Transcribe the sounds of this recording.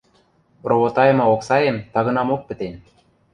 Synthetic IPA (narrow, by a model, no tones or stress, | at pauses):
roβot̪ɑjɤ̆mɤoksɑjemt̪ɑɣɤ̆nɑmok̚pɘ̆t̪enʲ